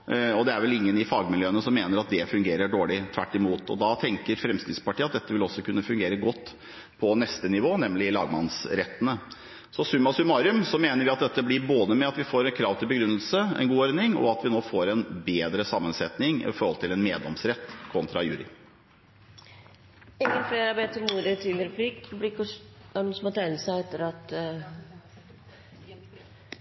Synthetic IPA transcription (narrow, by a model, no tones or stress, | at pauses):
ɔd̪ɛæɾʋɛlɪŋːənɪfɑːɡmɪljøːənəsɔmːeːnəɾɑt̪̚d̪ɛfʉŋɡeːɾəɖoːɭɪt̪ʰʋæʈːɪmuːt̪ɔ̰d̪ɑt̪ʰɛŋkəɾfɾɛmskɾɪt̪spɑʈʰiːɑt̪̚d̪ɛt̪ːəʋɪlɔsːɔkʉnːəfʉŋɡeːɾəɡɔt̪ː | pʰɔnɛst̪ənɪʋoːnɛmlɪlɑ̰ːɡmɑnsɾɛt̪ːənə | sɔsʉmɑsʉmɑɾʉmsɔmeːnəɾʋɪɑt̪̚d̪ɛt̪ːəblɪɾboːd̪əmɛɑt̪ʋɪfoːɾɛnkʰɾɑːʋt̪ʰɪlbəɡɾʉnːəlsəɛ̰nɡuːɔɾɪŋɔ̰ɑt̪ʋɪnoːfoːɾɛnbeːd̪ɾəsɑmːənsɛt̪nɪŋɪ̰fɔɾhɔlt̪ʰɪlɛnmeːd̪lɔmsɾɛt̪ːkʰɔnt̪ɾɑjʉ̰ːɾɪ̰ | ɛŋɡənfleːɾɑbeːt̪əmuːɾət̪ʰiləɾɛpʰlɪkblɪkːɔɑnusmɑt̪ʰæɪnəsæɪɛt̪ːəɾɑt̪